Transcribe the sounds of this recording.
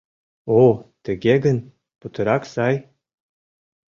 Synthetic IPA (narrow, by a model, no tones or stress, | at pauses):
ot̪ə̆ɡʲeɡə̆n | put̪ɤ̆ɾɑksɑj